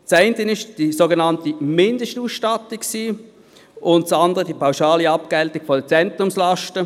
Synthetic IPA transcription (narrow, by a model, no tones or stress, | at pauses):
t͡sɛɪntənɪʃd̥isoɡenɑntimɪndəʃtuːsʃtɑtikksiː | ʔʊnt̚t͡sɑndəʁədiːpʰaʊʃɑːliɑp̚ɡ̥ɛltɪɡ̥fɔdət͡sɛntʁʊmslɑʃtə